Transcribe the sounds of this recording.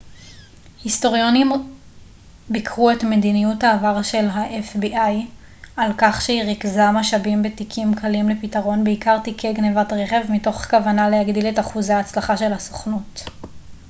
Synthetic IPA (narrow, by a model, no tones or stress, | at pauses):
histo̞ʁjo̞nim | bikʁuetme̞dinijuthaːvaʁʃe̞lɦaʔefbiʔaj | alkaχʃeiʁikzamaʃabimbe̞tikʰimkʰalimlepitaʁo̞nbeikaʁtikʰeɡnevatʁeχe̞vmito̞χkavanalehaɡdile̞taχuzeaːt͡slaχaʃe̞lhaso̥χnut